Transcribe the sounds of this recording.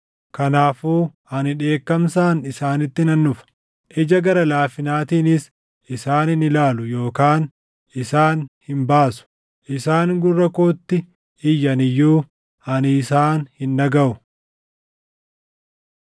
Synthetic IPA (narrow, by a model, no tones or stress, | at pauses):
kɐnaːfuːhɐnɪᶑe̞ːkːɐmsaːnɪsaːnɪt̪ːɪnɐnːʊfɐ̥ | ʔɪd͡ʒɐɡɐɾɐlaːfɪnaːt̪iːnɪs | ɪsaːnɪnɪlaːlʊjo̞ːkaːn | ɪsaːnhɪmbaːsʊ̥ | ʔɪsaːŋɡʊrːɐkoːt̪ːɪ | ɪjːɐnɪjːuː | ɐnɪsaːnhɪnːɐɡɐʔʊ